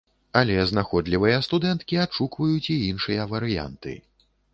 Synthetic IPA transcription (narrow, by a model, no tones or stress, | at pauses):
alʲɛznaxɔd̪lʲivɨjɐst̪ud̪ɛnt̪kʲiaʂukvɐjut͡sʲiinʂɨjɐvɐɾɨja̰nt̪ɨ̰